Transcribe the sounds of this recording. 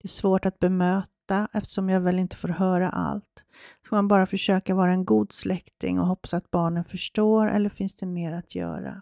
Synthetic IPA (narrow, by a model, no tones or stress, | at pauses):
d̪̥ɛæʂvoːʈat̪̚bɛmøːt̪aʔɛft̪ə̥ʂɔmjɑːɡvɛlːɪnt̪ə̥foːɾɦœːɾa̰ʔa̰lt̪ | skamanbɑːɾafœʂøːkaɾvɑːɾaɛnɡuːd̪slɛkt̪ɪ̰ŋɔ̰ɦɔpːḁsat̪̚bɑːɳənfœʂʈoːɾɛ̰lːəɾfɪnsd̪ɛmeːɾat̪ʰjœ̰ːɾa̰